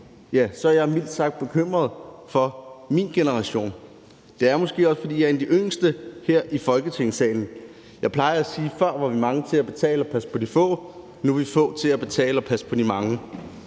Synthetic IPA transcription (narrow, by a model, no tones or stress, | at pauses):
jæsɒ̽æɐjɑ̈ɪmil̰d̥sɑ̈ɡ̥̚d̥̚b̥e̝kʰøm̰ʁɐðˠ | fɒ̽minɡ̥enəʁɑ̈ɕo̝̰ːn | d̥e̝æɐmɒ̽sɡ̥e̝̰ːɒ̽sfɒ̽d̥ḭːjɑ̈ɐend̥iʔøŋ̰sd̥əheɐ̰ʔifɒ̽lɡ̥ət͡sʰe̝ŋ̰sɛ̰ːln̩ | jɑ̈ɪpʰlɑ̈ɪɐæsiːfɶɐ̰ʋɑ̈ʋimɑ̈ŋt͡sʰe̝æb̥e̝t͡sʰɛ̰ːləɒ̽pʰæspʰɒ̽d̥ifɔ̰̽ː | nueʋifɔ̰̽ːt͡sʰe̝læb̥e̝t͡sʰɛ̰ːləɒpʰæspʰɒ̽d̥imɑ̈ŋə